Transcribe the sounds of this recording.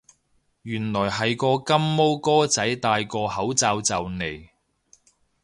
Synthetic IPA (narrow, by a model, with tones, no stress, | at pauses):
jyː˨˩nlɔː˨˩jɦɐ˨˩jkɔː˧kɐ˥mːo˥wkɔː˥t͡sɐ˨˥jt̪aː˧jkɔː˧hɐ˨˥wt͡saː˧wt͡sɐ˨wne˨˩j